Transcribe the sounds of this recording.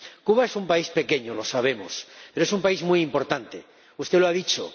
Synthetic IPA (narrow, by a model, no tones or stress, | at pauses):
kuβae̞sumpaispe̞ke̞ɲolo̞saβ̞e̞mospeɾoesumpaizmujimpo̞ɾt̪ant̪e̞ | ust̪e̞loaðit͡ʃo̰